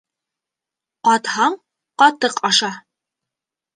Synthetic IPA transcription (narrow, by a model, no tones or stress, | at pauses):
qɒt̪hɑɴ | qɒt̪ɤqʰɑʃɑ